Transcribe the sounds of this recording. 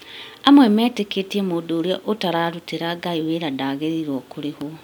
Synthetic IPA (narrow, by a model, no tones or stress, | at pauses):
amwɛmɛːteketiɛmoːdoːɾeɔʔotaɾaːɾuteɾaɡaiweɾadaːɣeɾiɾwɔkoɾeho